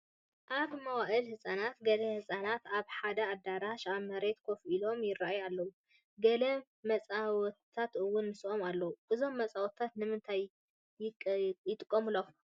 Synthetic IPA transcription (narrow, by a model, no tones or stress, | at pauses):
ʔaβmɐwaʔɨlhɨsʼanat̪ɡɐlɐhɨsʼanat̪aβħad̪ɐad̪ːaɾaʃaβmɐɾe̞t̪kʰo̞filo̞mjɪraʔajalːɐwu | ɡɐlɐ | mɐt͡sʼaw̪ʰ | at̪ɨwːʊnːɨsʔomalːɐwuʔɨzo̞mːɐt͡sʼawt̪ʰːat̪nɨmɨnt̪ʰaj | jɪt̪ʼɨkʼːomɨlo